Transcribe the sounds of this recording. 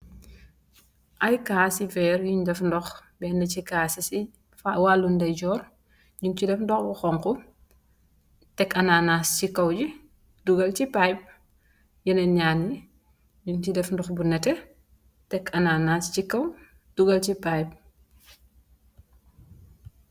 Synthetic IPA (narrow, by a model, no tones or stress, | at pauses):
ʔɐjkaːsivɛːɾjuɲdɛfndɔxbɛndɐcikaːsisi | fawalːundɐjɟɔːr | ɲuŋcidɛfndɔxbuxɔŋku | tɛkɐnanascikɐwd͡ʒi | duɡɐlcipajp̚ | jɐnɐɲaːni | ɲuŋcidɛfndɔxbunɛtɛ | tɛkʰɐnanascikɐw | d̥uɡɐlcipajp̚